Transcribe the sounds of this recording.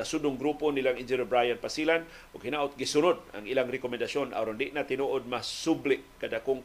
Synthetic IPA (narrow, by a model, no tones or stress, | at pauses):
asudʊŋɡɾuponilaŋʔind͡ʒɪnɪbɾajanpasilan | ʔʊɡhinaʔʊt̪̚ɡisʊnʊd̪̚a̰ŋʔilaŋɾɪkomɛnd̪asjonʔa̰ɾondɪʔnat̪ɪnuʔod̪̚masublɪʔkadakʊŋ